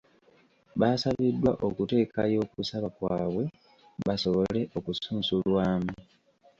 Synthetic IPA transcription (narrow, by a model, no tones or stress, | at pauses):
βaːsaβidːwaʔo̞kute̞ːka̰jo̞ːkusaβakwaːβwe̞ | βaso̞βo̞le̞ʔo̞kusuːnsulwaːmu